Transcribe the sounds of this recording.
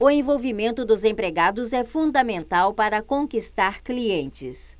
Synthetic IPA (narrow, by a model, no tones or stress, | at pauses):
ʊẽvowvimẽnt̪ʊd̪ʊzẽpɾeɡad̪ʊzɛfũnd̪ɐmẽnt̪awpaɾɐkõkist̪aɾkliẽnt͡ʃɪs